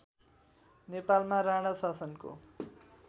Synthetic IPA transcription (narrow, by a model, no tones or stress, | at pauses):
nepalmaɾaɽ̃asasʌnko̰